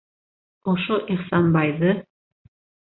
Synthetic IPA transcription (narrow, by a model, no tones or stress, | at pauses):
oʃoʔiχsɑnbɑjðɤ